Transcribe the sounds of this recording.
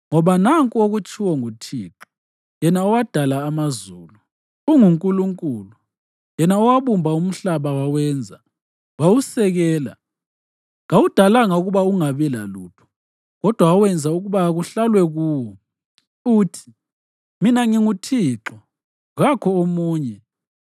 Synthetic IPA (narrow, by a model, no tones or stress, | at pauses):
ŋɔβanaŋkʼuoɣut͡ʃʰʼiwɔŋutʰḭːǁɔ | jɛnaɔwad̥ʱalaːmazuːlu | uŋuŋkʼuluŋkʼuːlu | jɛnaɔwaβumbʱaum̩ɬaβawawɛnd͡zʱa | wawusɛɣɛːla̰ | ŋawud̥ʱalaŋauɣuβauŋaβɛla̰luːtʰɔ̥ | ɣɔd̥ʱwaɔwɛnd͡zʱauɣuβaɣuɬalwɛɣuwɔ | uːtʰi | minaŋiŋutʰiːǁɔ | ɣakʰɔomuːɲɛ